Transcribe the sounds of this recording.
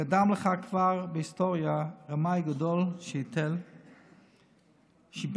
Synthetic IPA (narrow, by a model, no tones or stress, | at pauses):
kadamləχakv̥aʁbəhistoʁjaʁamajɡadolʃəit̪ɛl | ʃib